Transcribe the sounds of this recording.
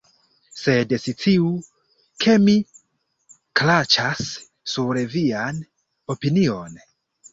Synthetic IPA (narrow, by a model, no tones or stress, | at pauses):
se̞desit͡siu | kʰe̞mi | klat͡ʃasː | uɾvian | o̞pinio̞n